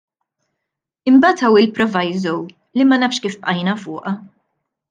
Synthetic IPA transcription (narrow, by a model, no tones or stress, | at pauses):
ɪmbɐːt̪ɐwɪlpɾɔvɐjzɔw | limɐnɐfʃkiːfpʔɐjnɐfʊːʔɐ